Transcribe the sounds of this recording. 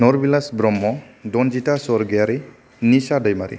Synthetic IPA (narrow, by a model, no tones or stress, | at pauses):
nɔɾbilasbɾɔmːɔ | dɔnd͡ʒitasɔɾɡijaɾi | nisadɔjmaɾḭ